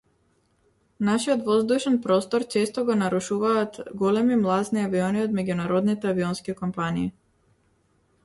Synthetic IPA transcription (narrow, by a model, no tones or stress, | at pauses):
naʃiɔt̪vɔzd̪uʃɛnpɾɔst̪ɔɾt͡ʃɛst̪ɔɡɔnaɾuʃuvaːt̪ɡɔlɛmimlˠazniaviɔniɔd̪mɛɟunaɾɔd̪nit̪ɛaviɔnskikɔmpaniː